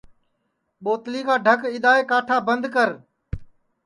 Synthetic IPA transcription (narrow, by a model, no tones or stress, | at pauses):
ɓoːt̪liːkaːɖʱəkɪɗ̪aːeːkaːʈʰaːbənd̪kəɾ